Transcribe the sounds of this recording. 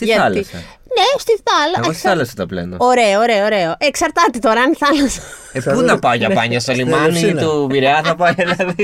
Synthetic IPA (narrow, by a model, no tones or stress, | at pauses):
t̪iʝɐɐlisɐ̰ | nest̪iθɐlɐɐsθɐlɐsɐt̪oplḛnd̪ɐoɾe̞ooɾeooɾe̞oʔeksɐɾt̪ɐt̪et̪o̞ɾɐɐnθɐlɐsɐ̥ | epunɐpɐoʝɐppɐɲɐst̪olimɐnit̪uviɾeɐθɐpɐɐɐði